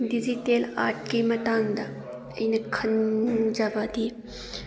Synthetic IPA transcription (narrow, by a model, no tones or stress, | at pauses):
d̪izit̪eːla̰ːʈ̚ʰkimɐt̪aːnd̪a | inəkʰɐnd͡ʒabad̪iː